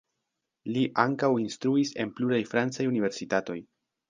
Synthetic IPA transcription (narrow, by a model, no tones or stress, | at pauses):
liʔaŋkawinstɾuise̞npluɾajfɾant͡sajunive̞ɾsitato̞̰j